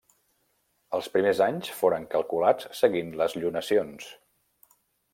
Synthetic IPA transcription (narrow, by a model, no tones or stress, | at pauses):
əlˠspɾimezaɲsfoɾəŋkəlˠkulat͡ssəɣinləzʎunəsions